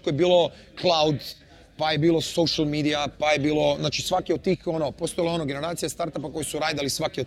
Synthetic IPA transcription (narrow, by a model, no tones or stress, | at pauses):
kojebiːlo̞ | klˠaud̪ | pajebiːlo̞soʃalmiːd̪iapajebiːlo̞znaːt͡ʃisʋakiod̪̚t̪ːiːxonopo̞st̪ojleo̞noɡene̞ɾaːt̪sijast̪aɾt̪apako̞jisuɾaːd̪alisʋakio